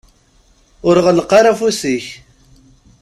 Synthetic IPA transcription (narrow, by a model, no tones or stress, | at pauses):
ʊɾʁələqːɑɾˤafusiç